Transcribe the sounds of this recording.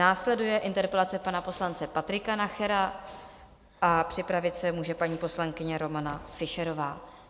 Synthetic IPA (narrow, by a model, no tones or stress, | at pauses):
naːslɛdujɛʔɪnt̪ɛɾpɛlat͡sɛpanapo̞slant͡sɛpat̪ɾɪkanaxɛɾa | ʔapr̥ɪpɾavɪt̪sɛmuːʒɛpaɲiːpo̞slaŋkɪɲɛɾo̞manafɪʃɛɾo̞vaː